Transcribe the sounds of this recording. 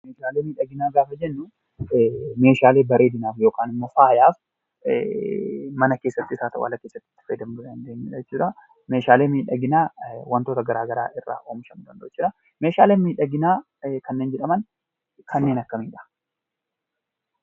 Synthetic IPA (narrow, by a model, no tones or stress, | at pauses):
meːʃaːle̞ːmiːᶑɐɡɪnaːɡaːfɐd͡ʒɛnːʊ | me̞ːʃaːle̞ːbɐɾe̞ːd̪ɪnaːfjo̞ːkaːnɪmːofaːjaːf | mɐnɐke̞ːsːɐt̪ːɪɪsaːt̪ɐʔʊ̰ɐlːɐkeːsːɐt̪ːɪ̥t̪ːɪ̥fɐjd̪ɐmd̪ʊdɐnd̪eːɲːṵːᶑɐɛt͡ʃːuːᶑɐ | me̞ːʃaːle̞ːmiːᶑɐɡɪnaːwɐnt̪ot̪ɐɡɐɾaːɡɐɾa̰ːʔɪrːa̰ːʔoːmɪʃɐmd̪ɐnd̪ɐ̰t͡ʃːɪːᶑɐ | me̞ːʃaːleːnmiːᶑɐɡɪnaː | kɐnːe̞ːnd͡ʒɛᶑɐmɐn | kʰɐnːe̞ːnɐkːɐmiːᶑɐ̥